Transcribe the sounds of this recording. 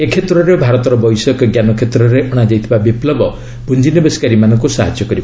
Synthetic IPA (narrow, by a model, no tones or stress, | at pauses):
ekʰet̪ɾɔɾebʱaɾɔt̪ɔɾɔbɔjsɔkɡjanɔkʰet̪ɾɔɾeʔɔɽ̃ad͡ʒajt̪ʰibabiplɔbɔ | bund͡ʒinɔbeskaɾimanɔ̃ŋkusa̰ɦa̰d͡ʒjɔkɔɾib